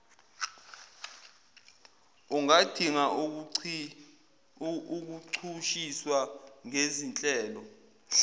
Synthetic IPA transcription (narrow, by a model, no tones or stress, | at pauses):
uŋad̥ʱiŋa | uk̬uǀʰuʃiswaŋezint͡ɬʼɛːlɔ